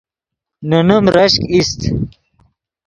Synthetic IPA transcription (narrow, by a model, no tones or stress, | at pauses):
nunumɾɐɕkist̪